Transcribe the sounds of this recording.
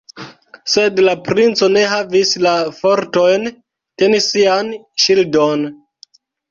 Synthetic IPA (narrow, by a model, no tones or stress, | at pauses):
se̞dlapɾint͡so̞ne̞ɦavislafo̞ɾto̞jn | te̞nisianʃildon